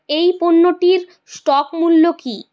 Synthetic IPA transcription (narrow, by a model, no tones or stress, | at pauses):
ejponːoʈiɾ | sʈɔkmulːoki